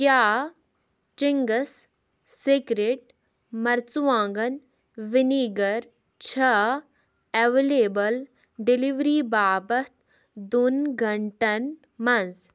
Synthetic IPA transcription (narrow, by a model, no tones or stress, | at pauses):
kjaː | t͡ʃiŋɡɐsː | ikɾeʈ̚ | mɐɾt͡suʋãːŋɡɐn | ʋɪniɡɐɾ | t͡ʃʰɐ | eʋeleːbɐl | ɖiliʋɾiːbaːbɐt̪̚ | d̪unɡʱɐɳʈɐn | mɐnz